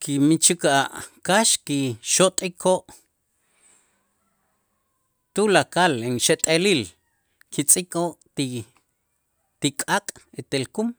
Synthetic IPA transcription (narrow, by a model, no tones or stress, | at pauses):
kimit͡ʃikaʔkaʃkiʃot̪ʼikʰoʔ | t̪ulakaleŋʃet̪ʼeliːl | kit͡sʼikʼoʔt̪i | t̪ikʼakʼet̪elkum